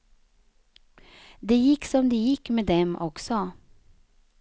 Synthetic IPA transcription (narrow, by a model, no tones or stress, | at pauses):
d̪ejɪkːsɔmd̪ɛjɪkːmeːd̪ɛmʔɔksɔ